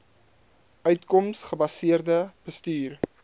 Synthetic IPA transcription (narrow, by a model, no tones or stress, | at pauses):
œɥtkɔmsχəbɐsiərdəb̥əstyːr